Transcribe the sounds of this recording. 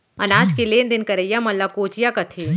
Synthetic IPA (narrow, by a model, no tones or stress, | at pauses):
ɐnaːd͡ʒkileːnd̪ɪnkɐɾəjamɐlːakoːt͡ʃjakɐt̪ʰiː